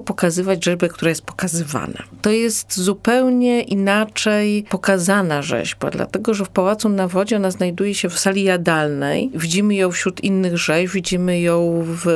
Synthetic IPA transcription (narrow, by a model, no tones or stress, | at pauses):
pɔkazɘvad͡ʑʐɛʒbɛk̚t̪uɾajɛst̪̚pɔ̥kazɘva̰na̰t̪ɔjɛst̪zupɛwɲɛʔinat͡ʂɛjpɔkazanaʐɛ̰ʑba̰d̪la̰t̪ɛɡɔʐɛfpawat̪sunavɔd͡ʑɛɔnaznajd̪ujɛɕɛfsalʲijad̪alnɛ̰jvʲid͡ʑimɘjɔ̃w̃fɕɾut̪ʰinːɘɣʐɛʑvʲid͡ʑimɘjɔ̃w̃v